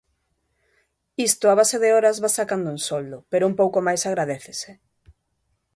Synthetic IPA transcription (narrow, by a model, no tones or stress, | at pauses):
ist̪ʊaβaseðeɔɾɐzβasakand̪ʊuŋsold̪ʊpeɾoumpowkomajsaɣ̞ɾaðeθese